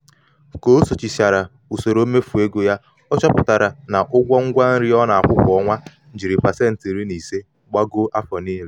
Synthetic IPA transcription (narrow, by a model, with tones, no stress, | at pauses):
ko˦so˨t͡ʃi˨sa˨ɾa˨ | u˨so˨ɾo˦me˦fu˨e˦ɡo˦ja˦ | ɔ˦t͡ʃɔ˦pʊ˨ta˨ɾa˨na˨ʔʊ˦ɡʷɔ˦ŋ̩˦ɡʷa˦n̩˦ɾi˦ɔ˦na˨a˨kʷʊ˦kʷɔ˦ŋʷa˦ | n̩˨d͡ʒi˨ɾi˨pa˨se˦n̩˨ti˨ɾi˦ni˨se˦ | ɡ͡ba˦ɡo˦ʔa˦fɔ˨niː˦le˦